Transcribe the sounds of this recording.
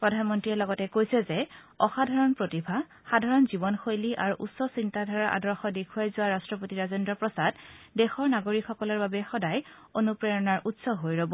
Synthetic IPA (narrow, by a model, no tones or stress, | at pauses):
pɹɔdʱanmɔntɹiɛlɔɡɔtɛkojsɛzɛ | ɔxadʱaɹɔnpɹotibʱa | xadʱaɹɔnzibɔnxojliʔaɹuʔṵtsɔsintadʱaɹaʔa̰dɹɔxɔdekʰuajzʊaɹastɹɔpotiɹazendɹɔpɹɔsaddɛxɔɹnaɡoɹikxɔkɔlɔɹbabɛxɔdaj | onupɹɛjɔnaɹʔutsɔɦojɹɔbɔ